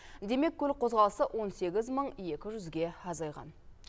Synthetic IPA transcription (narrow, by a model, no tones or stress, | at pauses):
d̪e̞me̞kʲʰːɵlɪqʰo̞zʁɑlˠəsəʔwʔo̞nse̞ɡʲɪzməɴje̞kʲɪʒʏzɡʲe̞ɑzɑjʁɑ̰n